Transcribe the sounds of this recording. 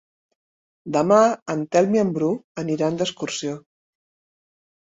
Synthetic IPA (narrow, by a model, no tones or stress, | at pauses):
d̪əmaənt̪ɛlˠmiəmbɾuəniɾand̪əskuɾsio